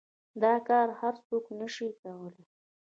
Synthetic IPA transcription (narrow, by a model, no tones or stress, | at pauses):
d̪ɑkɑɾhaɾsoknəʃikawəle